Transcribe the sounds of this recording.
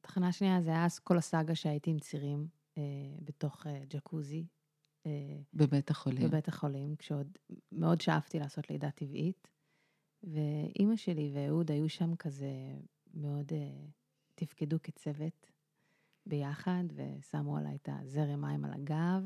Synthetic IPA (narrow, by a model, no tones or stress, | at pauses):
tḁχanaʃniazeajasko̞lasaɡaʃeajitimt͡siʁim | ebeto̞χed͡ʒakʰuzi | ebebetaχolibebetaχo̞limkʃeo̞dme̞odʃaaftilaːso̞tlḛjdativʔit | ve̞ʔimaʃe̞liveːudajuʃamkʰaze | meo̞de | tifkeduket͡se̞ve̞t | be̞jaχadve̞̰samua̰lʔa̰jta̰zeʁemajma̰la̰ɡav